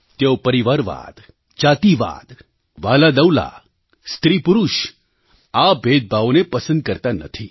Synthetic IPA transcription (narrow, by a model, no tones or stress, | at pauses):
t̪jeopɐɾiʋaɾʋa̰ːd̪ | d͡ʒaːt̪iʋa̰ːd̪ | ʋaːlad̪ɐwla̰ | st̪ɾiːpuɾuʃ | abʱeːd̪̚bʱaʋonepɐsə̃nd̪̚kəɾt̪anɐ̰t̪ʰi